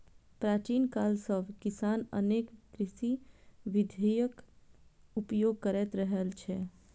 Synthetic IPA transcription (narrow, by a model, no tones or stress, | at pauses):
pɾat͡ʃinkalsəbʱkisanə̰nekkɾisiʋid̪ʱejək | upjoɡ̚kəɾɛt̪ɾəɦelt͡ʃʰɛ